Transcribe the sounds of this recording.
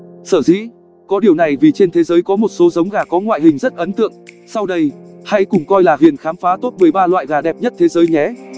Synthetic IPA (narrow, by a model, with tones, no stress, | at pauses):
səː˧˩zḭ˧˥ | kɔ˨˦ɗi˨˩əwna˨˩jvi˨˩t͡ɕe˧nt̪ʰe˨˦zəː˨˦jkɔ˨˦mo˨˩t̚so˨˦zə˨˦wŋ͡mɣaː˨˩kɔ˨˦ŋwa̰ː˧˨jɦï˨˩ŋ̟zə˦˥t̚ʔə˨˦nt̪ɨ̰˧˨əŋ | sa˧wɗə˧jha̰˧˥jkʊ˨˩ŋ͡mkɔ˧jlaː˨˩ɦi˨˩ənxaː˨˦mfaː˨˦t̪o˦˥t̚mɨ˨˩əjɓaː˧lwa̰ː˧˨jɣaː˨˩ɗɛ˨˩p̚ɲə˦˥t̚t̪ʰe˨˦zəː˨˦jɲɛ˨˦